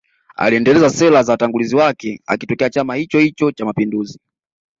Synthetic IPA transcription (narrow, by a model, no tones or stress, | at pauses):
a̰liɛndɛlɛzasɛlazawataŋɡuliziwakɛa̰kitɔkɛat͡ʃamahit͡ʃɔhit͡ʃɔt͡ʃamapinduzi